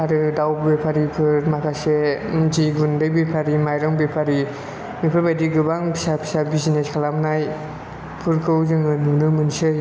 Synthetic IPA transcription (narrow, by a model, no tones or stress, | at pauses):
aɾɯdawbbepʰaɾikʰɯɾmakʰasend͡ʒiɡundɯjbepʰaɾimajɾɯŋbepʰaɾi | mipʰɯɾbajdiɡɯbaŋpʰi̥sapʰi̥sabizineskʰalamnaj | pʰɯɾkʰɯwzɯŋɯnunɯmɯnsɯ